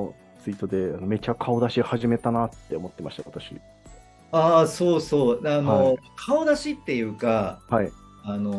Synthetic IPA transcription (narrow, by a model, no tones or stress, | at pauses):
t͡sɨit̪o̞d̪e̞ano̞me̞t͡ɕakʰao̞d̪aɕihaʑime̞t̪anat̪ːe̞omo̞t̪ːe̞maɕi̥t̪aβat̪aɕḭ | aːso̞ːso̞ːd̪anokʰaod̪aɕit̪ːe̞jɯ̟ːkahai | ano